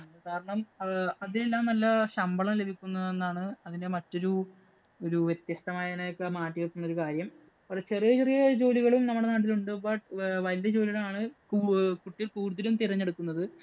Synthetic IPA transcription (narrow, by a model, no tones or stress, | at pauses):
kaːɾɐɳɐmɐðile̞lːaːmnɐlːɐɕɐmbɐɭɐmle̞bʱikʲːunːɐðe̞nːaːɳɨɐðinde̞mɐtːo̞ɾu | o̞ɾuʋjet̪jɐst̪ɐmaːjɐinejokːemaːʈːijek̪ːunːɐo̞ɾukaːɾjɐm | pɐrɐt͡ɕe̞rijɐt͡ɕerijɐd͡ʑo̞ːliɣɐɭumnɐmːuɽe̞naːʈ̬ːiluɳɖubaːʈʋɐlijɐd͡ʑo̞ːliɣɐɭaːɳɨ | kuʈːijlkuːɽuðːilumt̪iɾɐɲːe̞ɽukːunːɐðɨ